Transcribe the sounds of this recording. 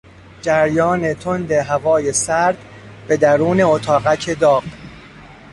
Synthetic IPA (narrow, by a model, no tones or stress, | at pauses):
d͡ʒæɾjɒːne̞t̪ʰond̪e̞ɦævɒːje̞sæɾd̪̥ | be̞d̪æɾuːne̞ot̪ʰɒːɣæcʰed̪ɒːɢ